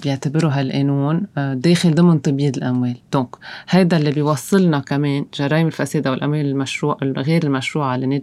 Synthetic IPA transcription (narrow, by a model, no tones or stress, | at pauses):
bjɪʕt̪abɪɾuɦalʔenuːnd̪eːxɪld̪ˤɨmɪnt̪ˤɨbiːd̪ɪlʔamweːld̪̥õːkhajd̪alːibɪjwɑsˤːɨlnɑkameːnʒɑɾˤɑːʔɪmɪlfaseːd̪awɪlʔa̰mweːlɪlmaʃɾuːʔɣeːɾɪlmaʃɾuːʕalɪnːeː